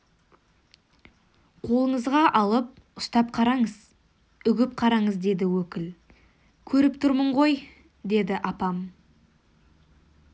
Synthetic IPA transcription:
qʰo̞lˠəɴəzʁɑʔɑlˠəp̚ | ʊst̪ɑp̚qʰɑɾɑɴəz | ʏɡʲɪp̚qʰɑɾɑɴəzd̪e̞d̪ɪwɵkʲɪl | kʲʰɵɾɪpt̪ʰʊɾməɴʁo̞j | d̪e̞d̪ɪʔɑpɑm

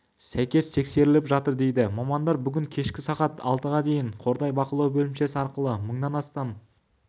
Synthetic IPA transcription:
sæjkʲe̞st̪ʰe̞kse̞ɾɪlɪpʒɑt̪əɾd̪e̞jd̪ɪmɑmɑnd̪ɑɾbʏɡʲɪŋkʲʰe̞ʃkʲɪsɑqɑt̪ɑ̰lˠt̪əʁɑd̪e̞jɪɴqʰo̞ɾd̪ɑjbɑqəlˠɑwbɵlɪmʃe̞sɪɑɾqəlˠəməɴd̪ɑnɑst̪ɑn

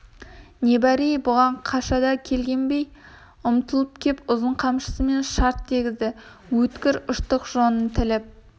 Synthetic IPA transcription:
ne̞bæɾijbʊʁɑɴqʰɑʃɑd̪ɑkʲʰe̞lɡʲe̞nbe̞j | ʊmt̪əlˠəpkʲʰe̞pʊzəɴqʰɑmʃə̥səme̞nʃɑɾt̪ːeɡʲɪzd̪ɪ | wɵt̪kʲɪɾʊʃt̪əqʒo̞nənt̪ʰɪlɪp̚

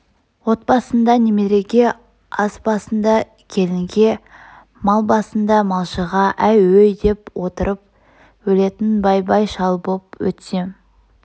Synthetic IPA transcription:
wo̞t̪̚bɑsənd̪ɑnemeɾe̞ɡʲe̞ | ɑsbɑsənd̪ɑ | kʲʰe̞lɪŋɡʲe̞ | mɑlˠbɑsənd̪ɑmɑlˠʃəʁɑʔæjwɵjd̪e̞pwo̞t̪əɾʔəp̚ | wɵle̞t̪ɪnbɑjbɑjʃɑlˠbopwɵ̰t̪se

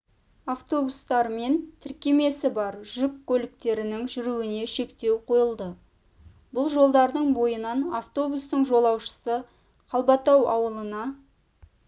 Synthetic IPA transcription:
aft̪o̞bust̪ɑɾme̞nt̪ʰɪɾkʲe̞me̞sɪbɑɾʒʏkkːɵlɪk̚t̪e̞ɾɪnɪŋʒʏɾuwɪne̞ʃe̞kt̪e̞wqʰo̞jəlˠd̪ə | bʊlˠʒo̞lˠd̪ɑɾd̪əɴbo̞jənɑnaft̪o̞bust̪əɴʒo̞lˠɑwʃə̥sə | qʰɑlˠbɑt̪ɑwɑ̰wəlˠənɑ

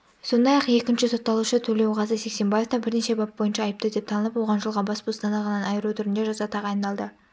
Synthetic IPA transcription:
so̞nd̪ɑjɑqe̞kʲɪnʃɪso̞t̪ːɑlˠuʃət̪ʰɵle̞wʁɑzəsekse̞mbɑje̞ft̪ɑbɪɾne̞ʃe̞bɑp̚bojənʃɑːjəp̚t̪əd̪e̞p̚t̪ʰɑnəlˠəpwo̞ʁɑnʒəlˠʁɑbɑspust̪ɑnɑʁɑnɑnɑjəɾut̪ʰʊɾɪnd̪eʒɑzɑt̪ʰɑʁɑjnɑlˠd̪ə

